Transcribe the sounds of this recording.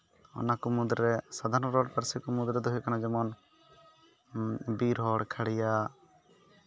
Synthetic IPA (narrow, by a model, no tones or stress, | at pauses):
ɔ̰nakɔmud̪ɾɛsad̪ʱaɾnɔɾɔɽpəɾsikɔmud̪ɾɛd̪ɔɦɔjkanad͡ʒɛmɔn | biɾɔɽkʰaɽɛja